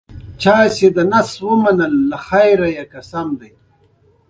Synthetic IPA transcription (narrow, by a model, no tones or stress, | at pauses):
t͡ʃɑːjsed̪ənaswəmanəlːaxajɾajakasamd̪aj